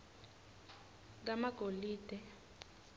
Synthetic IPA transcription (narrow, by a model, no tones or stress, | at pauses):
k̬amaɡ̥ʱoliːd̥ʱɛ